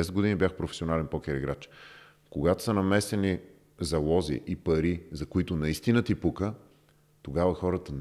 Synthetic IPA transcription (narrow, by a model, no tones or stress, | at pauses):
ɛsɛd̪ɡod̪inibʲjaxpɾofɛ̥sionalɛnpɔkʲɛɾiɡɾat͡ʃ | koɡat̪o̥sɐnɐmɛsɛni | zɐlˠɔzḭʔipɐɾizɐkoit̪onɐist̪inət̪ipukə | t̪oɡavəxɔɾət̪ən